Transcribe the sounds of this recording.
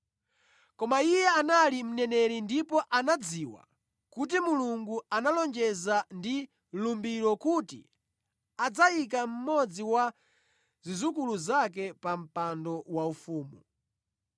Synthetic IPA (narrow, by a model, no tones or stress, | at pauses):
kɔmaijɛanalim̩nɛnɛɾindipɔʔanad͡ziwa̰ | kut̬imuluŋɡuanalɔnd͡ʒɛzandi | lumbiɾɔkutḭ | ad͡zaik̬am̩mɔd͡ziwa | zizukuluzak̬ɛpam̩pandɔwaufuːmu